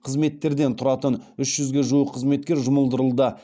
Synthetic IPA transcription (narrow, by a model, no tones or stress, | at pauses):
qʰəzme̞t̪ːe̞ɾd̪e̞nt̪ʰʊɾɑt̪ənʏʃʒ̥ʏzɡʲeʒuəqʰəzme̞t̪̚kʲe̞ɾʒʊməlˠd̪əɾəlˠd̪ə